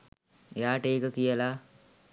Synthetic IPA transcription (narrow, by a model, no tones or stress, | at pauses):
ḛjaːʈəeːkəkijəla